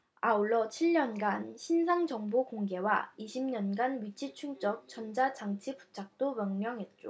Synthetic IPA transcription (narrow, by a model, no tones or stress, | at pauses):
auɭːʌt͡ɕʰiɭɲʌnɡanɕʰinsʰaŋd͡ʑʌŋbokoŋɡe̞waiɕʰimɲʌnɡanɥit͡ɕʰit͡ɕʰuŋt͡ɕ͈ʌk̚t͡ɕʌnd͡ʑat͡ɕaŋt͡ɕʰipu̥t͡ɕʰak̚t͈omjʌŋmjʌŋɦe̞t̚t͡ɕ͈o̰